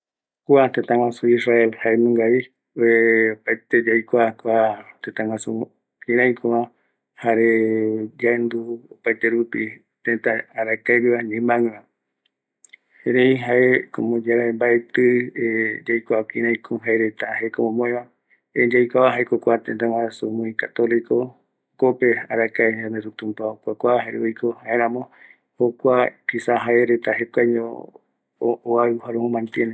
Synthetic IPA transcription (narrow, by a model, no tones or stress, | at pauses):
kuat̪ẽt̪ãŋãsuisraelhaemũŋɡai | eopajt̪ed͡ʒajkʷakʷat̪ẽt̪ãŋãsu | kĩɾ̃ãj̃kʰõβã | haɾed͡ʒaend̪uopajt̪eɾupi | t̪ẽt̪aːɾakaɾiβaɲẽmãŋã | heɾeiɦaekõ̰mõd͡ʒaɾaembaet̪ɨed͡ʒajkʷaakĩɾãjkʰoɦaeɾet̪ahekomõmõẽβã | ed͡ʒajkʷaβaɦaekokʷat̪ent̪awaasumũĩkat̪oliko | kopeaɾakaed͡ʒãnd̪eɾut̪ũmpaokʷakʷaɦaɾuijkohaeɾ̃ãmõ | hokʷapʰisaɦaeɾet̪aɦekaɲo | oaɦaɾũhũmãnt̪jene